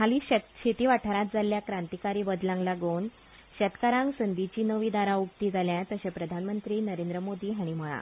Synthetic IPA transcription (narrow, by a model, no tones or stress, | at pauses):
aliːɕət̪ɕet̪iːʋaʈʰaɾat̪̚d͡zaljakɾant̪ikaɾiːbəd̪lãŋɡlaɡon | ɕɛt̪kaɾãŋɡsənd̪it͡ɕiːnəʋiːd̪aɾaukt̪iːd͡zʱaljat̪əɕapɾəd̪ʱanmənt̪ɾiːnəɾẽnd̪ɾəmod̪iːɦaɽ̃iməɭa̰